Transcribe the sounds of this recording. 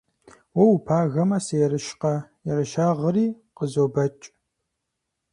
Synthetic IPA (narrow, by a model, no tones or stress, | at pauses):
wɔwupʰaːɣɐmɐsɐjɛɾɨʃqɐjɛɾɨʃaːʁəɾiː | qəzobɐt͡ʃʼ